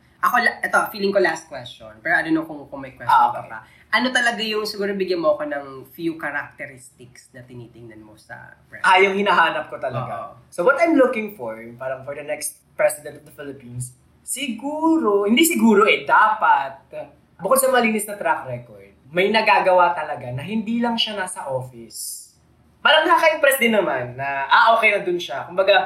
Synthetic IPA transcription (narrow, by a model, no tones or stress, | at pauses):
ʔɐko̞lʔɛt̪o̞fiːlɪŋkolast̪̚kwɛstonpɛːɾoʔɐnonokʊŋkoŋmɐjkwɛɔa̰a̰ | ʔɐno̞t̪ɐlɐɡajʊŋsɪɡuːɾobɪɡjɐnmoɐko̞nɐŋfjukɐɾak̚t̪ɛɾist̪ɪksnɐt̪ɪnit̪ɪŋnɐnmosɐ̰pɹɛajʊŋhɪnaɦaːnɐp̚kot̪ɐlɐɡasowɔt̪ɐjmlʊkɪ̃ŋfɔɹpaːɾɐŋfɔɹd̪ɐnɛkst̪̚pɹɛsɪd̪ɛnt̪ɔvd̪ɐfɪlɪpinsː | ɪɡuːɾo̞hɪnd̪isɪɡuːɾo̞ʔɛd̪aːpɐt̪̚ | bʊkd̪̚sɐmɐŋɐliːnɪsnɐt̪ɾak̚ɾɛkoɹd̪̚mɐjnɐɡaːɡɐwat̪ɐlɐɡanɐɦɪnd̪iːlɐŋʃɐnasɐʔoːfɪs | pɐlɐŋd̪akɐjʊŋpɾɛsd̪ɪnːɐmanːɐʔɐʔoːkɛjnɐd̪ʊnʃakʊmbɐɡɐ